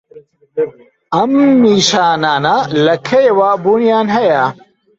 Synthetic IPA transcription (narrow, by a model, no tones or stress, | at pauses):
ɐmːiːɕaːnaːnalɐkʰejwaːbunijaːnɦɐjaː